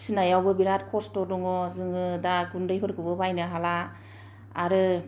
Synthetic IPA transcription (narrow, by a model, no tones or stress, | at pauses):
sɯnajawbɯbiɾat̚kʰɔstɔdɔŋɔzɯŋɯdaɡundɯjpʰɯɾkʰɯbɯbajnɯɦalaː | ɾɯ